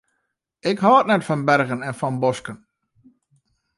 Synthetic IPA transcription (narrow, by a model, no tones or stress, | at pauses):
ɪkhɔːətnɛtfɔnbɛrɣənɛnfɔnbɔskən